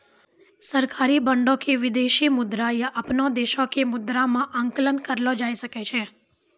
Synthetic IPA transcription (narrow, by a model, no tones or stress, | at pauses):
səɾkaːɾibəɳɖõkeʋɪd̪eʃimʊd̪ɾajəʔəpnõd̪eʃõkemʊd̪ɾamãʔəŋkələnkəɾlod͡ʒaːisəket͡ʃʰe